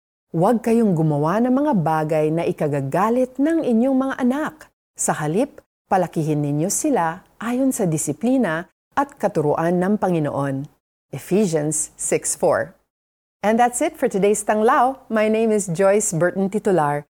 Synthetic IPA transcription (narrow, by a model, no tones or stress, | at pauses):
wɐɡ̚kɐjoŋɡʊmɐwanɐŋmɐŋabaːɡɐjnɐʔɪkɐɡaɡaːlɪt̪̚nɐŋʔɪɲjoŋmɐŋaʔɐnak | sɐɦɐlip̚ː | ɐlɐkiːɦɪnːɪɲjo̞sɪlaʔaːjonsɐd̪ɪsɪpliːnɐ | ʔɐt̪̚kɐt̪ʊɾʊ̰ʔanːɐŋpɐŋɪno̰ʔo̞n | ʔɛfiʃɐ̃nsːɪksfɔ̰ɹ | ʔɛnd̪at̪sɪt̪fɔɹt̪ʊd̪ejst̪ɐŋlawmajnejmɪsd͡ʒojsbɛɹt̪nt̪ɪt̪ʊlaɹ